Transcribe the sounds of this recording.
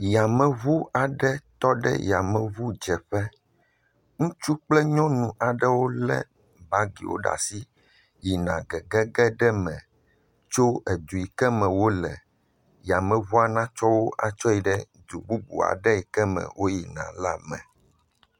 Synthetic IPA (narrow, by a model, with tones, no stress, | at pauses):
ja˨mɛ̃˨βu˦a˨ɖɛ˦t̪ɔ˦ɖɛ̰˦ja˨mɛ̃˨βu˦d͡ʒɛ˨ɸɛ˦ | ŋũ˦t͡ʃu˦k͡plɛ˦ɲɔ̃˦nũ˨ʔa˨ɖɛ˦wo˦lɛ̰˦ | ba˦ɡḭ˨wo̰˦ɖa̰˨si˦ | ji˨nã̰˨ɡɛ˨ɡɛ˦ɡɛ˦ɖɛ˦mɛ̃˨ | t͡ʃo˦ɛ˨d̪u˨i˨kɛ˦mɛ̃˨wo˦lɛ̰˨ | ja˨mɛ̃˨βu˦a˨nã˦t͡ʃɔ˦wo˦ʔa˨t͡ʃɔ˦i˨ɖɛ˦ | d̪u˨bu˦bṵ˨a̰˨ɖɛ˦i˨kɛ˦mɛ̰̃˨wʔo˦ji˨nã̰˨la˦mɛ̰̃˨